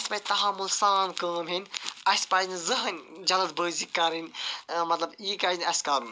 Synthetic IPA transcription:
ɐsʲpɐːd͡ʒʲt̪ɐɦɐmːulsaːnkəːmɦinʲɐsʲpaːd͡ʒnzɨɦɐnʲd͡ʒɐlɐzbəːzikːɐɾinʲmɐt̪lɐbiːkaːd͡ʒinʲɐsʲkɐɾun

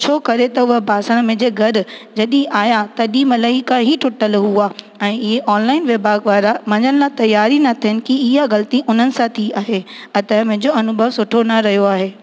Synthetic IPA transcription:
t͡ɕʰoːkɐɾet̪ɐʊɦəbʱaːsəɽ̃mẽd͡ʑeːɡʱɐɾ̆d͡ʑɐɗĩʔaːjat̪ɐɗiːmɐləɦikãɦiʈʰʊʈəlɦuaː | ɛ̃ːɪɦeʔɔːnlaːɪnʋebʱaːɡʋaːɾamɐɲəɽɪlat̪ɐjːaːɾinɐt̪ʰiənɪ̆kiɪɦaɣɐlt̪iʔʊn̤ənɪ̆sãt̪ʰiaːɦeɐt̪əmẽɦd͡ʑoɐnʊbʱəʋsʊʈʰonɐɾɐɦijoaːɦeː

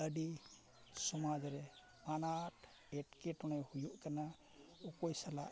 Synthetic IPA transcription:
ədi | sɔmad͡ʒaɾɛ | manat | eʈkeʈɔnajhujuʔkana | ukɔjsala̰ʔ

